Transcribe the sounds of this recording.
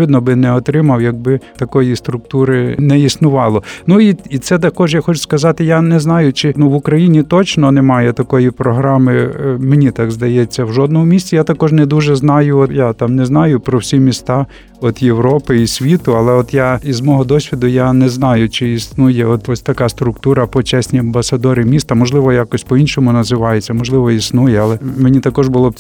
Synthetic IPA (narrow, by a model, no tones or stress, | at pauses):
ʋɪd̪nɔbɪnɛɔt̪ɾɪmɐwjɐɡ̚bɪt̪ɐkɔjist̪ɾʊk̚t̪uɾɪnɛisnʊʋɑlˠɔnuiit̪sɛt̪̬ɐkɔʒjaxɔt͡ʃʊ̥skɐzɑt̪ɪjanɛznɑjʊt͡ʃɪnuʋʊkɾɐjinʲit̪ɔt͡ʃnɔnɛmɑjɛt̪ɐkɔjipɾɔɦɾɑmɪmenʲit̪ɑɡzd̪ɐjɛt͡sʲːɐwʒɔd̪̚nɔmʊmʲisʲt͡sʲɪjat̪ɐkɔʒnɛd̪uʒɛznɑjʊɔjat̪ɑmnɛznɑjʊpɾɔwsʲimʲist̪ɑ | ɔt̪jeʋɾɔpɪisʲʋʲit̪ʊɐlˠɛɔt̪jaizmɔɦɔd̪ɔsʲʋʲid̪ʊjanɛznɑjʊt͡ʃɪisnujɛɔt̪ɔsʲt̪ɐkɑst̪ɾʊkt̪uɾɐpɔt͡ʃɛsʲnʲiɐmbɐsɐd̪ɔɾɪmʲist̪ɐmɔʒlˠɪʋɔjakɔsʲpɔinʃɔmʊnɐzɪʋɑjet͡sʲːɐmɔʒlˠɪʋɔisnujɛɐlˠɛmenʲit̪ɐkɔʒbʊlˠɔb̚